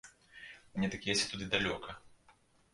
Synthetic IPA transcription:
mnʲɛt̪akʲijɛsʲt͡sʲɛt̪ud̪ɨd̪alʲɔkʰɐ

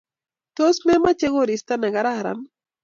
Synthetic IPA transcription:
t̪osmemat͡ʃeɣoɾist̪anaɡaɾaɾa̰n

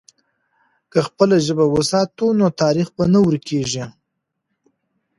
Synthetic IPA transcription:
kəxpəlaʒəbawəsɑt̪unot̪ɑɾixbanawəɾkʰeʐi

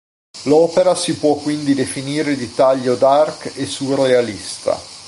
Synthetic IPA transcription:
lɔːpeɾasipwɔkːwind̪id̪efiniːɾed̪it̪ːaʎːod̪arkesːurealist̪a̰

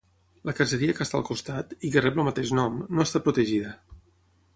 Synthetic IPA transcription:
ləkəsəɾiəkəst̪a̰lˠkust̪at̪ikərɛpləlmət̪eʃnɔmnoəst̪apɾut̪əʒiðə

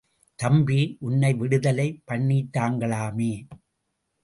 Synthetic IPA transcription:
t̪ɐmbiʔʊnːɐɪʋɪɽɯðɐlɐɪpːɐɳːiːt̪ːaːŋɡɐɭaːmeː

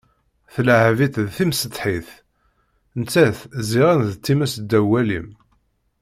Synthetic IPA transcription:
θlʕævit̪ðθimsəd̪ħiθ | nt͡sːæθziʁænðət̪ːimæsd̪ːæwælḭm

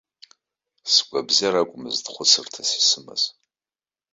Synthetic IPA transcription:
sɡʷʼabzaɾakʷʼʊmɨzdχʷʊsɨrtʰasi̥sɨma̰z

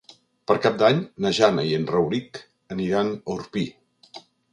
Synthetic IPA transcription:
pəɾkap̚d̪aɲnəʒanəjənrəwɾik | əniɾanəuɾpi

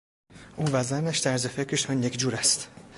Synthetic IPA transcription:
ʔuːvæzænæʃt̪ʰæɾzefecʰɾeʃɒnjecʰd͡ʒuːɾæst̪

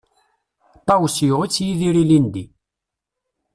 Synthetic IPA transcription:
t̪ˤɑwsjʊʁit͡sːjiðiɾilind̪i

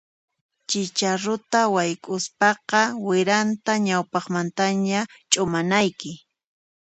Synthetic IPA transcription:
t͡ʃɪt͡ʃaɾʊt̪awajkʼʊspɑqɑwɪɾant̪aɲawpɑχmant̪aɲat͡ʃʼʊmanajkɪ

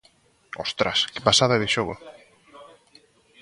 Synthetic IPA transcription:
ost̪ɾaskɪ̥pasaðaɛðɪʃoɣʊ̰

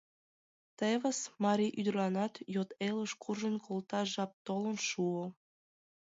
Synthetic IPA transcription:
t̪eβəsmɑɾʲiʔyd̪rlɑnɑt̪jot̪elˠə̆ʃkʰurʒə̆nkʰolˠt̪ɑʒɑp̚t̪olə̆nʃuə

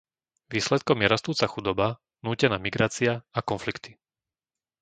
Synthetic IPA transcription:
ʋiːslɛt̪kɔmjɛɾast̪uːt͡saxud̪ɔba | nuːcɛnaːmiɡɾaːt͡siaakɔnflikt̪i̥

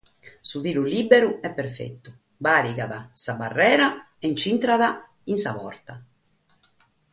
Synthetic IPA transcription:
suðiːluliːbeɾuɛpːeɾfḛt̪ːu | baːɾiɡaðasabarːɛːɾa | ent͡ʃint̪ɾaða | insapɔ̰ɾt̪a

